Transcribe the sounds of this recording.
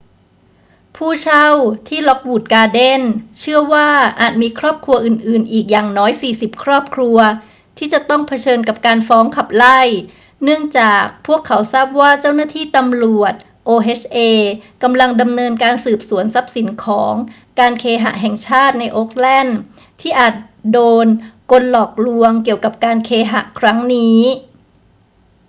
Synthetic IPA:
pʰuː˥˩t͡ɕʰa˥˩wt̪ʰiː˥˩lɔ˦˥k̚wuː˨˩t̪̚kaː˧de˥˩nt͡ɕʰɯ˥˩ɐwaː˥˩ʔaː˨˩t̪̚miː˧kʰɾɔː˥˩p̚kʰɾu˧ɐʔɯː˨˩nʔɯː˨˩nʔiː˨˩k̚jaː˨˩ŋnɔː˦˥jsiː˨˩si˨˩p̚kʰɾɔː˥˩p̚kʰɾu˧ɐ | t̪ʰiː˥˩t͡ɕa˨˩t̪ɔ˥˩ŋpʰa˧t͡ɕʰɤː˧nka˨˩p̚kaː˧nfɔː˦˥ŋkʰa˨˩p̚la˥˩j | nɯ˥˩əŋt͡ɕaː˨˩k̚pʰu˥˩əkʰːa˩˦wsaː˥˩p̚waː˥˩t͡ɕa˥˩wnaː˥˩t̪ʰiː˥˩t̪a˧mlu˨˩ət̪̚ | ʔoː˧ʔe˦˥t͡ɕʰʔeː˧ka˧mla˧ŋda˧mnɤː˧nkaː˧nsɯː˨˩p̚su˩˦ənsa˦˥p̚si˩˦nkʰɔː˩˦ŋ | kaː˧nkʰeː˧ɦa̰˨˧˩ʔɦɛ˨˩ŋt͡ɕʰaː˥˩t̪̚na˧jʔoː˦˥k̚lɛ˥˩n | t̪ʰiː˥˩ʔaː˨˩t̪̚ | doː˧nko˧nlɔː˨˩k̚lu˧əŋki˨˩əwka˨˩p̚kaː˧nkʰeː˧ɦa̰˨˩ʔkʰɾa˦˥ŋniː˦˥

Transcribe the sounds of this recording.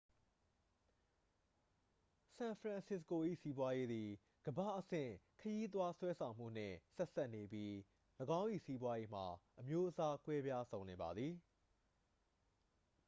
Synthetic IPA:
sã˨pʰɹã˨nsɪ˦˨s̬ko˨ʔḭ˦˨si˦bwa˦je˦d̪i˨ | ɡ̥əbä̰˦˨ʔəsɪ̰̃˦˨kʰəji˦t̪̬wa˦swɛ˦sʰã˨m̥ṵ˦˨n̥ɪ̰̃˦˨sɛ˦ʔsa˦ʔne˨bji˦ | ləɡã˦ʊ̃ʔḭ˦˨si˦bwa˦je˦m̥a˨ʔəmjo˦ʔəsa˦kwɛ˦bja˦sʰõ˨ʊ̃nẽ˨ba˨d̪ði˨

